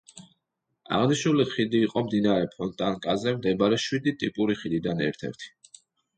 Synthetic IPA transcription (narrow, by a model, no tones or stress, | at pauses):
a̰ʁniʃnuliχid̪iːqʼɔmd̪inaɾɛpʰɔnt̪ʼankʼazɛmd̪ɛbaɾɛʃwid̪it̪ʼipʼuɾiχid̪id̪anɛ̰ɾt̪ʰɛ̰ɾt̪ʰi̥